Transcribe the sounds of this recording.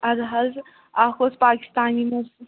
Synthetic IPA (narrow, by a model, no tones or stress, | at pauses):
ɐɾɦɐz | akospaːki̥st̪aːnimu